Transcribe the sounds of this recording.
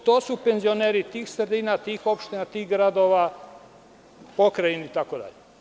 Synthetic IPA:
t̪oːsupenzio̞neːɾit̪iːxsɾed̪iːnat̪iːxo̞pʃt̪inat̪iːɣɡɾad̪o̞ːʋa | pokɾajinit̪akod̪a̰ʎe

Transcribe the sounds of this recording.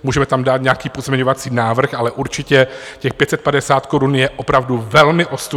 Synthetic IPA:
muːʒɛmɛt̪amdaːt̪ɲakiːpozmʲɛɲovat͡siːnaːvr̩xalɛʔuɾt͡ʃɪcɛcɛxpjɛt̪sɛt̪̚padɛsaːt̪koɾunjɛʔopɾavduvɛlmɪʔo̞st̪

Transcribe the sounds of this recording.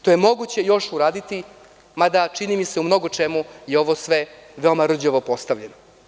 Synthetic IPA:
ʃt̪o̞jemo̞ɡut͡ɕe̞jo̞ʃuɾaːd̪it̪i | mad̪at͡ʃinimiseumno̞ɡo̞t͡ʂemujeo̞ʋo̞sʋeʋeomaɾ̩d͡ʑoʋopo̞st̪aʋʎeno

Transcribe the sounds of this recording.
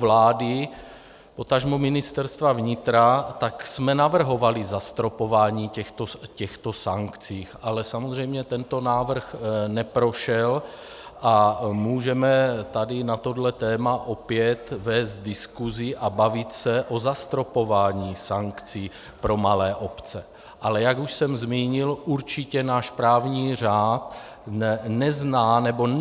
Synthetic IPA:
vlaːdɪ | pot̪aʒmumɪnɪst̪ɛɾst̪vavɲɪt̪ɾat̪aksmɛnavr̩ɦo̞valizast̪ɾopovaːɲiːcɛxt̪ocɛxt̪osaŋkt͡siːxʔalɛsamozr̝ɛjmɲɛt̪ɛnt̪o̞naːvr̩xnɛpɾo̞ʃɛl | ʔamuːʒɛmɛt̪adɪnat̪o̞dlɛt̪ɛːmaʔo̞pjɛt̪vɛːst̪̚dɪskuzɪʔabavɪt̪sɛʔozast̪ɾo̞po̞vaːɲiːsaŋkt͡siː | pɾo̞malɛːʔo̞pt͡sɛ | ʔalɛjaɡuʃsɛmzmiːɲɪlʔuɾt͡ʃɪcɛnaːʃpɾaːvɲiːr̝aːt̪ | nɛznaːnɛbo̞

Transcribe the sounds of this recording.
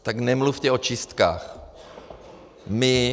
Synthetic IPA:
t̪aɡnɛmluft̪ɛot͡ʃɪst̪ka̰ːx | mɪ

